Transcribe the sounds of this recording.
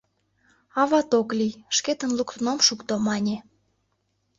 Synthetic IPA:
ɑβɑt̪oklijʃket̪ənlukt̪unomʃukt̪omɑnʲe

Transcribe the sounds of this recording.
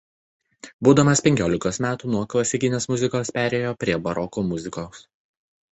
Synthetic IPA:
buːd̪ɐmɐspʲɛŋʲkʲoːlʲɪkoːsmʲæːt̪uːnuɔklˠɐsʲɪkʲɪnʲeːsmʊzʲɪkoːspʲæːɾʲeːjoːpʲɾʲiɛbɐɾɔkoːmʊzʲɪkoːs

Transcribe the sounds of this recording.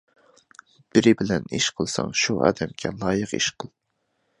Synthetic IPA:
b̥ɪɾɪbɪlɛniʃqʰəlˠsɑ̰ŋʃuʔɑ̰ːd̪ɛmkʲʰɛlˠɑːjəqiʃqʰəlˠ

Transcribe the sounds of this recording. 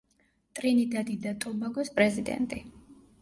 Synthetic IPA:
t̪ʼɾinid̪ad̪id̪at̪ʼɔbaɡɔspʼɾɛzid̪ɛ̰nt̪ʼi

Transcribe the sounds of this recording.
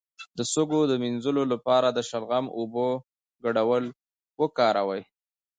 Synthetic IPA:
d̪əsoɡod̪əminzəlolapɑɾad̪əʃalɣamobo | ɡaɽawəl | wəkɑɾawaj

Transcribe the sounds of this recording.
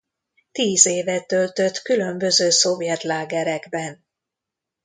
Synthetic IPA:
t̪iːzeːvɛt̪ølt̪øt̪kylømbø̞zøːso̞vjɛt̪laːɡɛɾɛɡbɛn

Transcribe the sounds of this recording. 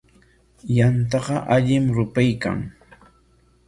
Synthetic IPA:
jant̪ɑɢɑʔaʎɪmɾʊpajka̰ŋ

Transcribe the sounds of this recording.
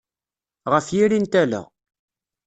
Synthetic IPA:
ʁəfjiɾint̪ælə̰ʁ

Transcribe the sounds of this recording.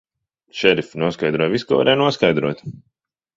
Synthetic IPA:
ʃɛɾifnuɔskajd̪ɾuɔjviskɔva̰ɾʔɛːjnuɔskajd̪ɾuɔt̪

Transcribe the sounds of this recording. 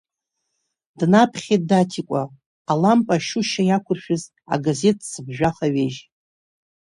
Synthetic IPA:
d̥napʰχʲet̚datʰikʷʼa | alampʼaʃuʃajakʷʰʊrʃᶣʊz | a̰ɡaze̞tʰʼsɨbʒᶣaχaɥeʒ

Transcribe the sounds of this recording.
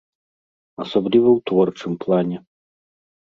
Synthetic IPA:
ɐsɔblʲivɐwt̪vɔrt͡ʂɨmplˠanʲɛ

